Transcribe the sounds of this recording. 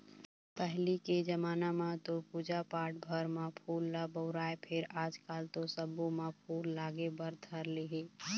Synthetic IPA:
pɛɦliked͡ʒəmaːnamãt̪opuːd͡ʒapaːʈ̚bʱəɾmãpʰuːlːaboːɾaːepʰɪɾaːd͡ʒkaːlt̪osəbõmãpʰuːlːaːɡebəɾt̪ʰəɾleɦeː

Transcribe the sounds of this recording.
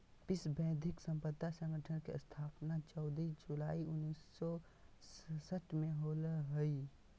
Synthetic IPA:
pɪsbɛ̃ːd̪ʱɪksə̃mpəd̪ːasə̃ŋɡəʈʰənkest̪ʰaːpnat͡ʃɔʊd̪id͡ʒulaːiʊnːiːsːɔ | ssəʈʰmẽɦolɦəi

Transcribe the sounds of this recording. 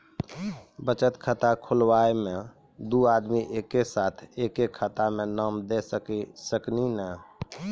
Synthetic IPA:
bət͡ʃət̪kʰət̪akʰulwaemẽ | d̪uad̪miʔekːesat̪ʰekekʰət̪amenəmd̪esəkisəkninɛ

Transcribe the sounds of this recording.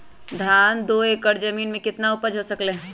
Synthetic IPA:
d̪ʱaːnd̪oːeːkəɾd͡ʒɐmiːnmẽkɪt̪naʊpəd͡ʒɦosɐkle

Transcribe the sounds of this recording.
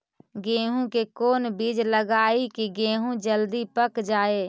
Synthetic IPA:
ɡẽːɦũkekoːnbid͡ʒləɡaːikiɡẽːɦũd͡ʒəld̪ipəkd͡ʒaːeː

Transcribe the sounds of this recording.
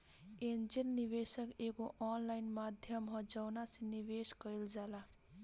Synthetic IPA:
end͡ʒinːiβesʌkekoʔɔnlajnmad̪ʱjʌmɦʌd͡zʌwnasiniβeskʌild͡zala

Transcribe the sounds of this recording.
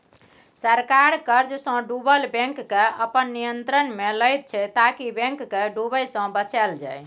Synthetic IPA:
səɾkaɾkəɾd͡ʒsə̃ɖubəlbɛ̃ŋkːeəpənːijənt̪ɾənmeləjt̪̚t͡ʃʰɛt̪akibɛ̃ŋkːeɖubəjsə̃bət͡ʃɛld͡ʒa̰j

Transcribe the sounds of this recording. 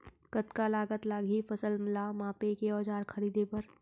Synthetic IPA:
kət̪kalaːɡət̪laːɡʱifɐsəlmɪlamãːpekeɔːd͡ʒaːɾkʰɐɾiːd̪ʱepɐɾ

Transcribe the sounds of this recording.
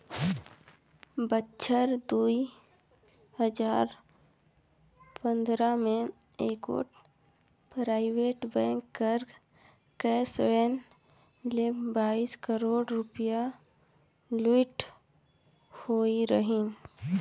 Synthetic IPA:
bətːʃʰəɾd̪ui | həd͡ʒaːɾ | pə̃nd̪ɾamẽ | eːko̰ːʈ | pɾaːɪweːʈbɛ̃ːŋkːəɾ | kɛːsɽen | lebaːiskəɾoːɽɾʊpɪja | luɪʈ | hoːiɾəɦĩ

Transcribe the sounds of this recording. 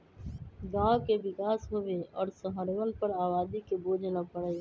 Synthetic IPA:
ɡãːkeʋɪkaːsɦoʋeɔːɾsəɦəɾʋənpəɾaːbaːd̪ikeboːd͡ʒʱnapəɽeː

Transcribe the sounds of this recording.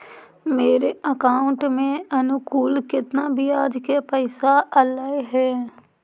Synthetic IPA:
meːɾeːəkaːʊɳʈmẽːənʊkuːlkɪt̪naːbʱiːaːd͡ʒkeːpəɪsaːʔəlaiɦɛː

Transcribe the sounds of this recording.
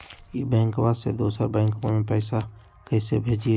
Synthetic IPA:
ibɛ̃ːŋkʋased̪oːsəɾbɛ̃ːŋkmamẽpɛːsa | kɛːsebʱeːd͡ʒie

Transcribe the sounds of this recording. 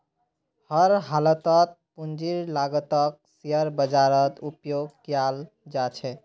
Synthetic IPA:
həɾɦalət̪ət̪̚pund͡ʒiɾlaɡət̪ək̚siəɾbəd͡ʒaɾət̪upjoɡkjal | d͡ʒat͡ʃʰɛ

